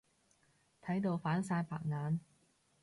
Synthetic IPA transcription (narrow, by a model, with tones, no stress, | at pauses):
t̪ʰɐ˨˥jt̪̬o˧wfaː˨˥nsaː˧jpʰa̰ː˨k̚ŋaː˨˧n